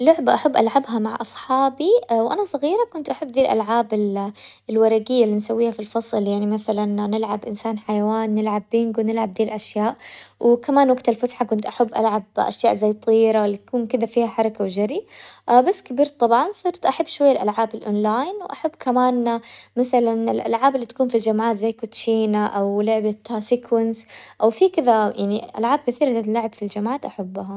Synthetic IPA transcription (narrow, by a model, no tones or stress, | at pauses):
lʊʕbʔaħabːʔalʕabɦamaʕʔɑsˤħɑːbiwʔa̰nasˤɑɣiːɾˤakʊnt̪ʔaħabːðiːlʔa̰lʕaːbɪllwɑɾˤɑɡɪjːalːinsawːiːhafilfɑsˤljaʕnimaθalanːɪlʕabʔɪnsaːnħajawaːnːɪlʕabːɪŋɡwnɪlʕab̚d̪iːlʔaʃjaːʔwɪkamaːnwaɡt̪alfʊsħakʊnt̪ʔaħabːʔalʕabʔa̰ʃjaːʔzajːt̪ˤiːɾawlːit̪akuːnkɪd̪afiːhaħɑɾˤɑkawd͡ʒaɾiʔbasːkabiːɾt̪ˤːɑbʕɑnsˤɨɾt̪ʔaħabːʃwajːalʔalʕaːbɪlʔo̰ːnlaːjnwʔaħabːkamaːnmaθalanɪlʔa̰lʕaːbɪlːit̪akuːnfild͡ʒamʕaːt̪zajːkʊt̪ʃiːnaʔawlʊʕbat̪asɪkʰwɪnsʔawfikɪðajaʕniʔa̰lʕaːb̚kɪθiːɾalɪlaʕabfild͡ʒamʕaːt̪ʔaħabːɦa